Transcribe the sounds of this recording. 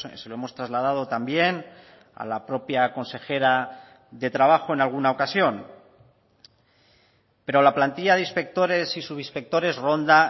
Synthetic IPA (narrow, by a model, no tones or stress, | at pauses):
se̞loe̞mo̞st̪ɾazlað̞að̞o̞t̪ambje̞n | a̰lapɾo̞pjako̞nse̞xe̞ɾa | ðe̞t̪ɾaβ̞axo̞e̞nalɣ̞unaokasjo̞n | pe̞ɾo̞laplant̪iʎaðeispe̞k̚t̪o̞ɾe̞sisuβispe̞k̚t̪o̞ɾe̞zro̞nd̪a